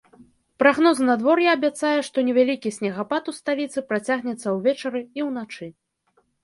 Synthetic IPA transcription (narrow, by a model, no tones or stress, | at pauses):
pɾaɣnɔznɐd̪vɔrjaɐbʲat̪sajɛʂt̪ɔnʲɛvʲalʲikʲisʲnʲɛɣapat̪ust̪alʲit̪sɨpɾat͡sʲaɣnʲɛt̪sːɐwvʲɛt͡ʂɐɾɨiwnat͡ʂɨ